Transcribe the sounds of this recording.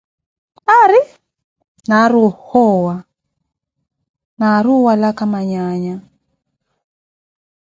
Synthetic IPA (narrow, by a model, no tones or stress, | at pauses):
aɾi | naɾuhɔːwa | naɾuwalakamaɲaːɲa